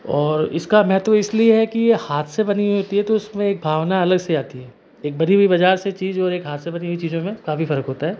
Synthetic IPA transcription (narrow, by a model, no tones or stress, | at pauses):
ɔːɾɪ̰skamɛɦɛt̪ʋɪslieɦɛkijehaːt̪ʰsebɐniɦiɦoːt̪iɦɛt̪oʊsmẽeːk̚bʱaːʋnaɐləɡseaːt̪iɦɛː | eːk̚bɐɽiɦuibɐd͡ʒaːɾset͡ʃiːzɔːɾeːkɦaːt̪ʰsebɐniɦuit͡ʃiːzõmẽkafifɐɾəkɦoːt̪aɦɛː